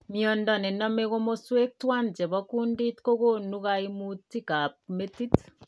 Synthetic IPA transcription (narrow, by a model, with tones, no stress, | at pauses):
mjɔ˨ndɔ˨nɛ˨nɔ˦me˦ɣo˦mo˦swe˦k̚twa˦nd͡ʒɛ˨βɔ˦ku˦ndi˦tko˦ɣo˦nu˦ɣa˦i˦mu˦tːi˦ka˨p̚me˦ti˦t